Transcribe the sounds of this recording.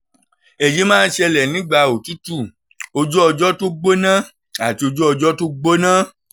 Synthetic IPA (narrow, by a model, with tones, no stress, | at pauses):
e˨d͡ʒi˨˦mãː˦n̩˦ʃɛ˧lɛ˨nĩ˨˦ɡ͡ba˧o˨ti˦tu˦˨ | o˧d͡ʒɔ˦ɔ˧d͡ʒɔ˦to˦ɡ͡bo˦nã˦ | a˨ti˧o˧d͡ʒɔ˦ɔ˧d͡ʒɔ˦to˦ɡ͡bo˦nã˦